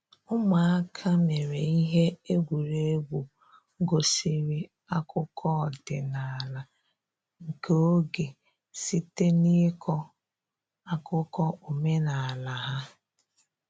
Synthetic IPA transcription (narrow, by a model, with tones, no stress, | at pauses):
ʊ˦ma˨a˦kʰa˦me˨ɾe˨i˦ɦe˦e˦ɡʷu˨ɾe˦e˦ɡʷu˨ | ɡo˨si˨ɾi˦ | a˦kʊ˦kʰɔ˦˨dɪ˨na˨a˨la˨ | ŋ̩˨ke˦o˦ɡe˨ | si˦te˦ni˦kʰɔ˦ | a˦kʊ˦kɔ˦o˨me˦na˨a˨la˨ɦa˦